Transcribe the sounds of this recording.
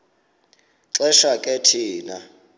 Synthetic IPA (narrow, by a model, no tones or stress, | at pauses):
ǁɛʃakʼɛtʰiːna̰